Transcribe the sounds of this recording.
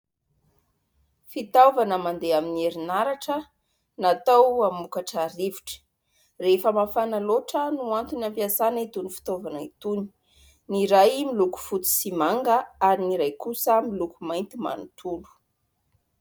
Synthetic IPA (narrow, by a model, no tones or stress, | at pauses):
fit̪avanəmand̪eaminieɾinaɾaʈ͡ʂə | nat̪awamukaʈ͡ʂaɾiviʈ͡ʂə̥ | refəmafanaloʈ͡ʂənuant̪unampiasanit̪unifi̥t̪ovanəit̪uni̥ | niɾajmiluku̥fut̪i̥simaŋɡəaɾiniɾajkusəmilukumajnt̪ima̰nut̪ʰulu̥